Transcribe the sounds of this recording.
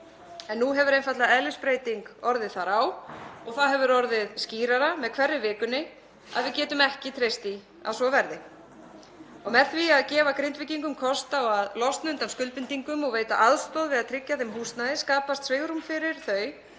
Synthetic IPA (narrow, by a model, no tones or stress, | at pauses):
ɛnːuɦɛvʏɾejnfat̪laɛðlʏspɾeːjt̪iŋkɔɾðɪðθaɾawɔɣθawɦɛvʏɾɔɾðɪðsciːɾaɾamɛðkʰv̥ɛrːʏvɪːkʏnːɪ | a̰ðvɪðcɛːt̪ʏmɛhcɪt̪ʰɾejst̪i | a̰ðsvɔvɛɾðɪ | ɔɣmɛðθviaðcɛːvakɾɪnt̪vɪcːiŋkʏmkʰɔst̪aɔɣaðlɔst̪naʏnt̪anskʏlpɪnt̪iŋkʏmɔɣveːjt̪a̰ʔaðst̪ɔːðvɪðaðt̪ʰɾɪcːaθejmɦuːst̪naðɪskaːpast̪sveɣɾumfɪɾɪɾ̥θœɥ